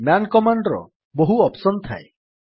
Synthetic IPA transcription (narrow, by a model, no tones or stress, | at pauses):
mjankɔmaɳɖɔɾɔ̰ | boɦuɔpsɔnt̪ʰa̰e